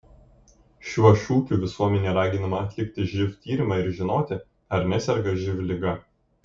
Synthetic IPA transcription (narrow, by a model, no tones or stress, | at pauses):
ʃʲuʃʲuːkʲuːʋʲɪsuɔmʲɛnʲeːɾɑːɡʲɪnɐmɐɐt̪ʲlʲɪkʲt̪ʲɪʒʲɪft̪ʲiːɾʲɪmɑːɪɾʒʲɪnoːt̪ʲɪ | ɐɾnʲɛsʲɛɾɡɐʒʲɪʋʲlʲɪɡɐ